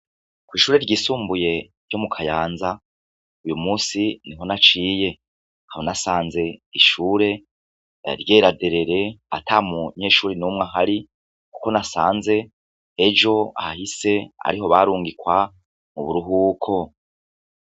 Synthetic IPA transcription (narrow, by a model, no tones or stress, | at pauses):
kwiːʃuːɾe̞ɾɟiːsuːmbuje̞ɾɟo̞mukʰajaːnza | ujumuːsiniɦo̞nat͡ʃiːje̞ | hahonasaːnze̞iʃuːɾe̞ | ɾɟeːɾade̞ɾe̞ɾe̞a̰tʰaːmuɲe̞ːʃuːɾinuːmŋaɦaɾi | ku̥ko̞nasaːnze̞ː | d͡ʒo̞a̰hahise̞a̰ɾiɦo̞βaɾuːŋɡikwa | muβuɾuɦuːkʰo̞